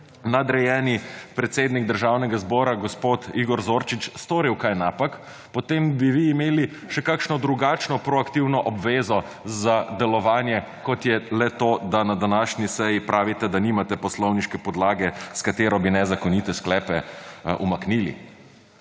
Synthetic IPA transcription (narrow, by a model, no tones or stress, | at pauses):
nad̪ɾɛjɛːnipɾɛt̪seːd̪niɡ̚d̪əɾʒawnɛɡazbɔːɾaɡɔspoːt̪iɡɔɾzoːɾt͡ʃit͡ʃst̪oːɾiwkajnaːpak | pɔt̪embiʋiːmeːli | ʃɛkakʃnɔd̪ɾuɡaːt͡ʃnɔpɾɔakt̪iwnɔʔɔbʋeːzɔ | zad̪ɛlɔʋaːnjɛ | kɔt̪jɛlɛt̪oːd̪anad̪anaʃnisɛjipɾʔaːʋit̪ɛd̪aniːmat̪ɛpɔslɔwniʃkɛpɔd̪laːɡɛskat̪eːɾɔbinɛzakɔnit̪ɛsklɛːpɛʔṵmakniːlḭ